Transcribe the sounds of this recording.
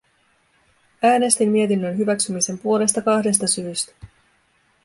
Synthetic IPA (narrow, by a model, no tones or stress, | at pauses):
æːne̞st̪imːie̞t̪inːønɦyʋæksymise̞mpuo̞le̞st̪ɑkɑhde̞s̬t̪ɑsyːst̪æ̥